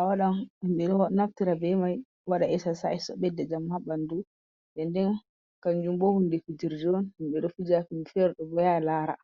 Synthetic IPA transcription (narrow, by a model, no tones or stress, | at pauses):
ʔawaɗahimɓɛɗɔnaftiɾabɛmaj | waɗaɛsasaɛsɔɓɛdːɛd͡ʒamːabandu | ɓɛndɛn | kaɲd͡ʒumbɔhundɛfid͡ʒiɾd͡ʒɔnhimɓɛɗɔfid͡ʒafinfɛɾɗɔbɔjalaːɾa̰